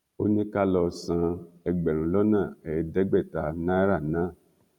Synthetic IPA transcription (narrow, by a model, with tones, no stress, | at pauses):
o˦nĩ˦ka˦lɔ˧sã˧ɛ˧ɡ͡bɛ˨ɾ̃ũ˨˦lɔ˦nã˦˨ɛ˨˧˨dɛ˦ɡ͡bɛ˦˨ta˧nã˦ɾa˦˨nãː˨˦˨